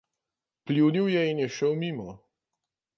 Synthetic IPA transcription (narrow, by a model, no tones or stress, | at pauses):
plʲiwniwjɛinjɛʃəwmiːmɔ